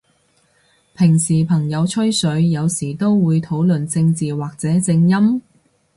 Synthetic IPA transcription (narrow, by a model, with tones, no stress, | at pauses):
pʰɪ˨˩ŋsiː˨˩pʰɐ˨˩ŋjɐ˨˧wt͡ʃʰɵ˥ɥsɵ˨˧˥ɥjɐ˨˧wsiː˨˩t̪o˥wwuː˨˧jt̪ʰo˨˥wlɵ˨nt͡sɪ˧ŋt͡siː˨waː˨k̚t͡sɛː˨˥t͡sɪ˧ŋjɐ˥m